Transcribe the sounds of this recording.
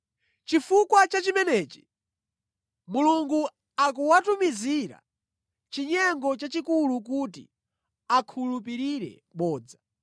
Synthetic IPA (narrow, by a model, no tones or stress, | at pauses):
t͡ʃifukwat͡ʃat͡ʃimɛnɛːt͡ʃi̥ | muluŋɡu | akuwatumiziɾa̰ | t͡ʃiɲɛŋɡɔt͡ʃat͡ʃikuluk̬utḭ | akʰulupiɾiɾɛ̰ | ɓɔːd͡za